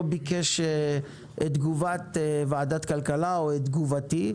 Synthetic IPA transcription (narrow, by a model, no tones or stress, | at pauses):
bikeʃe | ʔetd̪ɡuvat̪evaːd̪at̪kalkalaoed̪ɡuvat̪i